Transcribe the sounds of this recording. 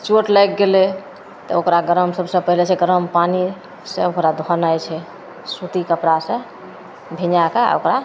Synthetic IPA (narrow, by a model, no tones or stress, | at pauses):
t͡ʃoʈlajkɡele | t̪ɔ̰okɾaɡəɾəmsəbsə̃pəɦilet͡ʃʰeɡəɾəmpani | sə̃okɾad̪ʱənajt͡ʃʰɛ | sut̪ikəpɾasə̃ | bʱinakaa̰o̰kɾa